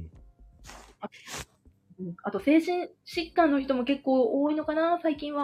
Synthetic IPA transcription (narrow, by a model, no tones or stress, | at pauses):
a | ɯ̟̃at̪o̞se̞ːʑĩɰ̃ɕikːãnːo̞çi̥t̪o̞mo̞ke̞kːo̞ːoːino̞kanasaikʲĩɰ̃βa